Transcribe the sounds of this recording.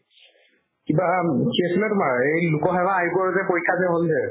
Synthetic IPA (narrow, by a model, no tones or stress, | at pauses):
kibakʰiasilɛtʊmaɹejlukɔɦɛbaːɦikɔɹzɛpoɹikʰːazɛɦolzɛ